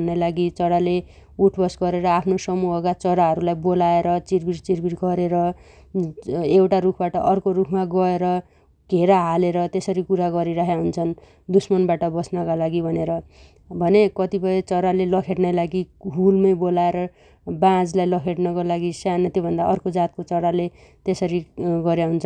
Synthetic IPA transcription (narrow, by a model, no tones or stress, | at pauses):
nːajlaɡit͡sʌɾale | uʈʰbʌsɡʌɾeɾʌapʰnosʌmuɦʌkat͡sʌɾaɦʌɾulajbolaeɾʌt͡sirbiʈt͡sirbiʈɡʌɾeɾʌ | ewʈaɾukʰbaʈʌʔʌrkoɾukʰmaɡʌeɾʌ | ɡʱeɾaɦaleɾʌt̪esʌɾikuɾaɡʌɾiɾʌɦjaɦunt͡sʰʌn | d̪usmʌnbaʈʌbʌsnʌkalaɡibʱʌneɾʌ | bʱʌnekʌt̪ipʌjt͡sʌɾalelʌkʰeʈnajlaɡiɦulmʌjbolaeɾʌ | bãd͡zlajlʌkʰeʈnʌkolaɡisjanʌt̪jobʱʌnd̪aʔʌrkod͡zat̪̚kot͡sʌɾale | t̪esʌɾiɡʌɾjaɦunt͡sʰʌn